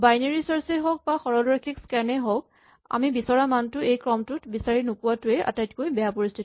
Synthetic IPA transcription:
bajneɹisɔɹsɛɦɔk̚baxɔɹɔlɔɹakʰikskɛnɛɦɔk̚ | a̰mibisɔɹamantʊejkɹɔmtʊtbisaɹinukʊwatʊɛʔa̰tajtkojbɛjapoɹistʰit

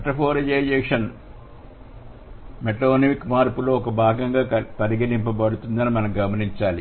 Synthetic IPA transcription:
ɐʈːɐfoːɾɐd͡ʒeːjeʂɐn | meʈːoːnɐmikːmaːrpuloːokːɐbʱaːɡɐŋɡaɐpɐɾiɡɐlimpːɐpɐɽut̪ːunːɐɐːnmɐnɐmɡɐmɐnit͡ɕːaːl

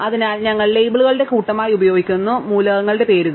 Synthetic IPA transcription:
ɐðinaːlɲɐŋːɐɭlejbɐɭuɣɐɭɨɽe̞kuːʈːɐmaːjiubɐjoːɡikʲːunːumuːlɐɣɐŋːɐɭɽe̞pe̞ːɾuɣɐ

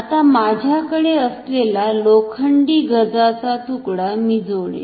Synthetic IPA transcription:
at̪amad͡ʑʱjakəɽeəslelalokʰəɳɖiːɡʱəd͡zat͡sat̪ukɽamid͡zoɭḛ

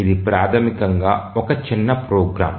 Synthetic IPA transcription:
id̪ipɾaːt̪ʰɐmikɐŋɡaːɔkɐt͡ʃinːɐpɾoːɡɾa̰ːm

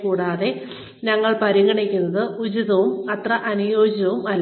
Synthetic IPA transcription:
kuːɽaːðe̞ | nɐŋːɐɭpɐɾiŋɐɳekʲːunːɐðɨud͡ʑuðɐʋumɐt̪rɐʔɐnujo̞ːd͡ʑɐʋumɐlː

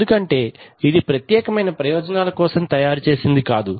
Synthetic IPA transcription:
d̪ukɐɳʈe̞ːid̪ipɾɐt̪jɛːkɐmɐjnɐpɾɐjɔːd͡ʒɐnaːlɐkɔːsɐmt̪ɐjaːɾut͡ʃe̞ːsind̪ikaːd̪u

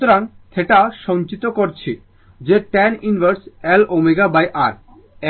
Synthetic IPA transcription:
oɾant̪ʰeʈaʃɔnt͡ɕit̪okoɾt͡ɕʰi | d͡ʑeʈɛninbʱəɾsɛlomeɡabajʔaɾ

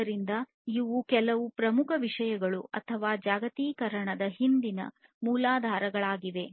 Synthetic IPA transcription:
ɐɾind̪ɐ | iʋukɛlɐʋupɾɐmukʰɐʋiʂɐjɐɡɐɭuɐ̰t̪ʰɐʋaːd͡ʒaːɡɐt̪iːkɐɾɐɳɐd̪ɐɦind̪inɐ̰ | muːlaːd̪ʱaːɾɐɡɐɭaːɡiʋe̞

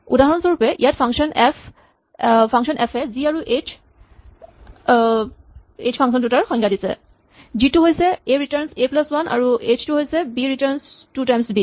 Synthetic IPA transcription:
udaɦɔnsɔɹupɛʔijatpʰaŋʃɔnɛf | pʰaŋksɔnʔɛpʰɛziaɹuʔet͡ʃʰ | et͡ʃʰpʰãŋs̬ɔndutaɹxɔ̃ŋɡʰadisɛ̰ | zituɦojsɛeɹitaɹnseplaswanʔa̰ɹuet͡ʃʰtuɦojsɛbiɹitaɹnstutajmsbi

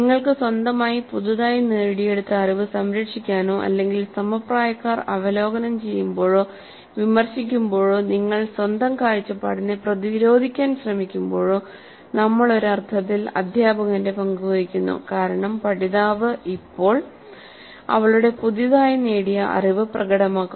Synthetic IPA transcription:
nniŋːɐɭkɨswɐnd̪ɐmaːjipuðiðaːjineːɽije̞ɽut̪ːɐɐriʋɨsɐmɾɐkʂikʲːaːnoːʔɐ̰lːe̞ŋɡilsɐmɐpraːjɐkːaːrɐʋɐlo̞ːɡɐnɐmt͡ɕe̞jːumbo̞ːɻo̞ː | ʋimɐrɕikʲːumbo̞ːɻoːniŋːɐɭswɐnd̪ɐmkaːɻit͡ɕːɐpːa̰ːɽineprɐðiɾo̞ːd̪ʱikʲːaːnɕrɐmikʲːumbo̞ːɻoː | nɐmːɐɭo̞ɾɐrt̪ʰɐt̪ːilɐ̰d̪ʱjaːbɐɣɐnde̞pɐŋɡuʋɐɾikʲːunːṵkaːɾɐɳɐmpɐɽiðaːʋɨipːo̞ːɭ | ɐ̰ʋɐɭuɽe̞puðiðaːjine̞ːɽijɐʔɐ̰riʋɨprɐɣɐɽɐmaːkːu

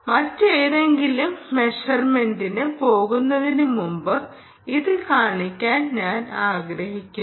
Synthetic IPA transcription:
mɐtːeːðe̞ŋɡilumːe̞ʂɐrme̞ndinɨpo̞ːɣunːɐðinɨmumbɨ | iðɨkaːɳikʲːaːnɲaːnaːɡɾɐhikʲːu

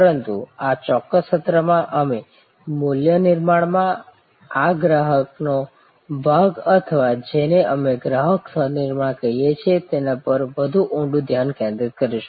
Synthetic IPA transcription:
pəɾənt̪uat͡ʃɔkːəsʃət̪ɾəmãʔəme | muljənɪɾmaɳmã | aɡɾaɦəkno | bʱaɡət̪ʰəʋad͡ʒeneʔəmeɡɾaɦəksʰənɪɾmaɳkəijet͡ʃʰet̪enapəɾʋəd̪ʱuʔũɳɖũd̪ʱjankẽnd̪ɾɪt̪̚kəɾiʃu̥

